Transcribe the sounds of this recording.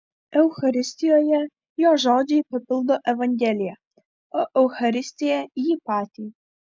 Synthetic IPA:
ɛwxɐɾɪsʲt̪ʲijɔjɛ | jɔʒɔd̪ʲijpɪpɪlˠd̪ɔʔɛʋɐnʲɡʲɛlʲijɛ | ɔʔɛwxɐɾɪsʲt̪ʲijɛijipɑt̪ʲij

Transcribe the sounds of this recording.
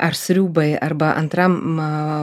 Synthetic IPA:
ʔɐɾsɾʲuːbɐɪɐɾbɐʔɐ̰nt̪ɾɐm

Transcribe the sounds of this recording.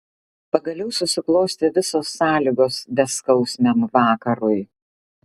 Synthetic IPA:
pɐɡɐlʲɛʊsʊsʲɪklˠoːsʲt̪ʲeʋʲɪsoːsːɑːlʲiɡoːsd̪ʲɛskɒʊsʲmʲɛmʋɑːkɐɾʊɪ

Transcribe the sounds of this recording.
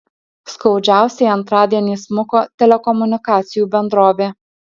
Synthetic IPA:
skɒʊd͡ʒʲæˑʊsʲɛɪɐnt̪ɾɑːd̪ʲiɛnʲiːsmʊkoːt̪ʲɛlʲɛkɔmʊnʲɪkɑːt̪sʲɪjuːbʲɛnd̪ɾoːʋʲeː

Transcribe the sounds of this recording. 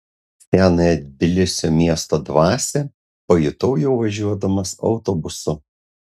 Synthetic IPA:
t̪ʲæːnɐjɛd̪ʲbʲɪlʲɪsʲoːmʲiɛst̪oːd̪ʋɑːsʲɛ | pɐjʊt̪ɔʊjɛʊʋɐʒʲuɔd̪ɐmɐsɒ̰ʊt̪ɔbʊsʊ

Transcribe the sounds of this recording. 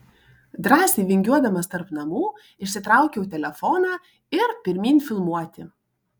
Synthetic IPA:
d̪ɾɑːsʲiːʋʲɪŋʲɡʲuɔd̪ɐmɐst̪ɐɾpnɐmuː | ɪʃʲsʲɪt̪ɾɑˑʊkʲɛʊt̪ʲɛlʲɛfɔnɑː | ɪɾpʲɪɾʲmʲiːnʲfʲɪlˠmuɔt̪ʲɪ

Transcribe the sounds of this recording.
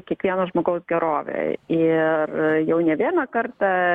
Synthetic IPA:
kʲɛkʋʲiɛnɐʒmoːɡɐʊsɡʲɛɾoːʋʲḛɪrjɛʊnʲɛʋʲiɛnɑkɐɾt̪ɑ

